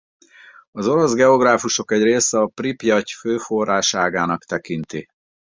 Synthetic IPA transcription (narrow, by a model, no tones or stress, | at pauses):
ɒzo̞ɾo̞zɡɛo̞ɡraːfuʃo̞kɛɟreːsɛɒpripjɒcføːfo̞raːʃaːɡaːnɒkt̪ɛkint̪i